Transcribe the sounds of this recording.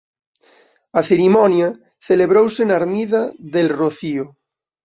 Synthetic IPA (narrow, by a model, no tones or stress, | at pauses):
aθeɾimonja | θeleβ̞ɾowsenaɾmiðaðelroθio